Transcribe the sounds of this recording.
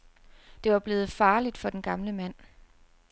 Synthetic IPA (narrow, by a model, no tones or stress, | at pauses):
d̥e̝ʋɑ̈b̥le̝ːð̞̩ˠfɑ̈ːlid̥fɒ̽d̥enɡ̥ɑ̈mləmæn̰